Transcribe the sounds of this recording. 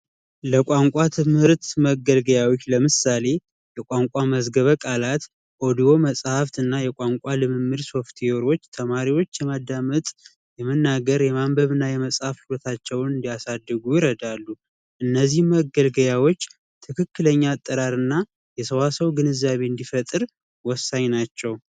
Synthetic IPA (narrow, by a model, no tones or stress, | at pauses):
ləkʷʼaŋkʷʼat̪ʰɨmhɨɾt̪məɡəlɡəjawot͡ʃːləmɨsale̞ | jɛkʷʼaŋkʷʼaməzɡəβəkʼalat̪ | ʔod̪io̞məsʼhaft̪ɨnːajɛkʼaŋkʷʼalɨmɨmːɨɾso̞ft̪ʰeo̞ɾo̞t͡ʃːt̪ʰəmaɾiwo̞t͡ʃːjɛmad̪ːamət̪ʼ | jɛmənːaɡəɾjɛmambəβɨnːajɛməsʼhafhulot̪ʰat͡ʃːɛwnɨnd̪ijasad̪ːɨɡujɪɾəd̪alːu | ʔɨnːəzːihməɡəlɡəjawo̞t͡ʃː | t̪ʰɨkʰɨkːɨləɲːat̪ʼːɨɾaɾɨnːa | jɛsəwasəwɡɨnɨzːaβe̞ɨnd̪ifət̪ʼɨɾ | wɔsːaɲnat͡ʃːɛw